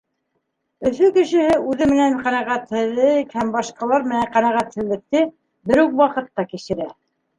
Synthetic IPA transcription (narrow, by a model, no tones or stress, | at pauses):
ɵ̆θɵkɘ̆ʃɘ̆hɘʔʉðɘmɘ̆nænqænæʁæt̪hɘ̆ðɘkhæmbɑʃqɑlˠɑɾmɘ̆næɴqænæʁæt̪hɘ̆lːɘ̆k̚t̪ɘ | bɘɾʉkwɑqɤ̆t̪ːɑkiʃɘ̆ɾæ